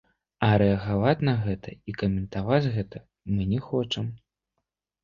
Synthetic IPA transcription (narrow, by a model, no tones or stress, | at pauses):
ɐɾɛɐɣavat͡sʲnɐɣɛt̪ʰɐikɐmʲɛnt̪avad͡zʲɣɛt̪ʰɐ | mɨnʲɛxɔt͡ʂɐm